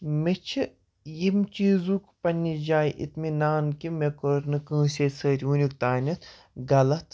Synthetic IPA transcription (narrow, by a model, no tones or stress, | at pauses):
met͡ʃʰɨ | jimt͡ʃiːzuːkpɐnʲːid͡ʒaːjʔḭt̪minaːnkimekoɾnɨkə̃ːsʲesəːɾʲunʲikt̪aːnʲɐt̪ | ɡɐlɐt̪ʰ